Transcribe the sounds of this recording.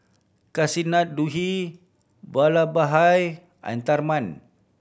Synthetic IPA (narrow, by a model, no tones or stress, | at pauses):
kasinat̪̚duɦi | balabaɦaj | a̰nt̪arman